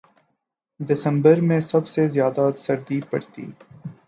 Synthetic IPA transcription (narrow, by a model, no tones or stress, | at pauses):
d̪ɪsəmbəɾmẽsɐbsezjɑːd̪at̪sɐɾd̪ipə̰ɽt̪ḭː